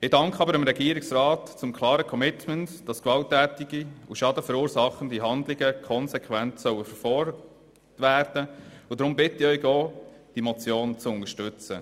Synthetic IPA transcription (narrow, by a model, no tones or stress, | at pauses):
ɪdɑŋkχɑbəɾəɪmɾɛɡiəɾɪksrɑːtt͡sʊmkʰlˠɑːɾəkʰɔmɪtməntd̥ɑskʋɑltːæːtɪɡiuʃɑdəfəɾuːɾsɑχːənd̪iɦɑnd̪lɪɡəkʰɔnsɛkʰʋæntsœwəfəfɔ | tʋæːɾd̥əʊdɾʊmbɪtɪœʏɡɔːd̥imɔt͡sjoːnt͡suʊnəʃtʏt͡sə